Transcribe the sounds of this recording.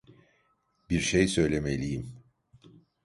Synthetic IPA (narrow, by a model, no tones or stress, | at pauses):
biɾʃejsø̞jlʲe̞melʲijim